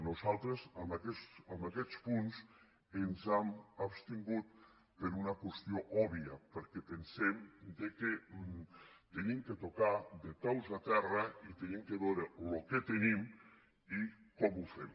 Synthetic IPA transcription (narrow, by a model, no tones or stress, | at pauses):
nuzalˠt̪ɾezamakɛsambakɛt̪spuns | enzamapst̪iŋɡut̪̚ | peɾunakwest̪ioʔɔβiɐpəɾkɛpensemd̪eke | t̪enimket̪okad̪et̪ɔwzat̪ɛrɐit̪enimkeβɛwɾeloket̪enim | i | kɔmufem